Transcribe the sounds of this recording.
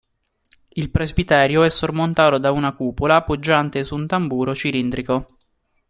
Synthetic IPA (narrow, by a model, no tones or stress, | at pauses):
ilpɾezbit̪ɛːɾjoɛsːormont̪aːt̪od̪aunakuːpolaːpːod͡ʒːant̪esunt̪ambuːɾot͡ʃilind̪ɾiko